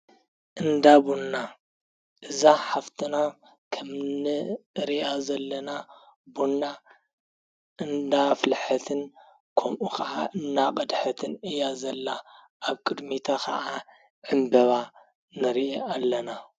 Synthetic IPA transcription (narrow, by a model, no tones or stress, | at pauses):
ʔɨnd̪abunːa | ʔɨzaħaft̪ʰɨna | kʰɐmnɨɨɾiʔazɐlːɐna | bunːa | ʔɨnd̪aflħɐt̪ʰɨn | kʰomʔukʰɐʔaʔɨnːaqʼɐd̪ħɐt̪ʰɨnɨjazɐlːa | ʔaβkʼɨd̪mit̪ʰakɐ̰ʔa | ʕɨmbɐβa | nɨɾiealːɐna